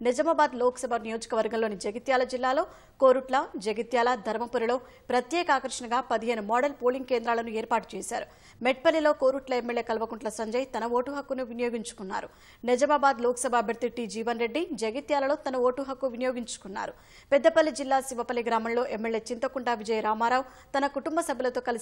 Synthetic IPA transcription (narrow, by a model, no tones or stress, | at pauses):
nɛd͡ʒɐmaːbaːd̪loːksɐbʱanijoːd͡ʒɐ̥kɐʋɐɾɡɐmloːnid͡ʒɐɡit̪jaːlɐd͡ʒilːaːlo̞ː | ko̞ːɾuʈlɐd͡ʒɐɡit̪jaːlɐd̪ʱɐɾmɐpuɾilo̞ː | pɾɐt̪jɛːkɐaːkɐɾʂɐnɐɡaːpɐd̪iɦe̞ːnumaːɖɐlpoːliŋɡ̚ke̞ːnd̪ɾaːlɐnueːɾpaːʈu̥t͡ʃɛːsa̰ːɾu | mɛʈ̚pɐlːilo̞ːko̞ːɾuʈlɐemːelje̞ːkɐlɐʋɐkuɳʈlɐsɐɲd͡ʒɐjt̪ɐnɐoːʈuɦɐkːunuʋinɐjo̞ːɡiɲt͡ʃu̥kunːa̰ːɾu | nɛd͡ʒɐmaːbaːd̪loːkɐsɐbʱaːɐbʱjɐɾt̪iʈid͡ʒiːʋɐnɾe̞ɖːid͡ʒɐɡit̪jaːlɐlo̞ːt̪ɐnɐʋoːʈuɦɐkːuʋinɐjo̞ːɡiɲt͡ʃu̥kunːa̰ːɾu | pɛd̪ːɐpɐlːid͡ʒilːaːsiʋɐpɐlːiɡɾaːmɐmlo̞ːʔemːelːje̞ːt͡ʃint̪ɐkuɳɖaːʋid͡ʒɐjɾaːmaːɾaːw | t̪ɐnɐkuʈumbɐsɐbʱɐlɐt̪o̞ːkɐli